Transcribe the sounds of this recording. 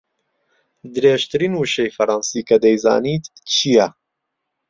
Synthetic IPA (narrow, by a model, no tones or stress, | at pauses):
d̪ɨɾeːʒt̪ɨɾiːnuʃejfɐɾɑːnsiːkɐd̪ɛjzɑ̰ːniːt̪t͡ʃʰijɛ